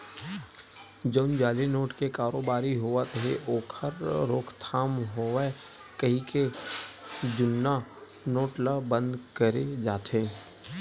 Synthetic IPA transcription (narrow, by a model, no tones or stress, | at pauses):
d͡ʒoːnd͡ʒaːlenoːʈkekaːɾoːbaːɾiɦoːʋat̪ɦḛʔoːkʰəɾːoːkʰt̪ʰaːmɦoːʋe | kəɦĩke | d͡ʒʊnːa | noːʈlabə̃nd̪kəɾed͡ʒaːt̪ʰẽː